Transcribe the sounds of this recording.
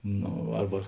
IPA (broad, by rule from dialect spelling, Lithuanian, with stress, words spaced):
ˈnoː ˈɐrbɐ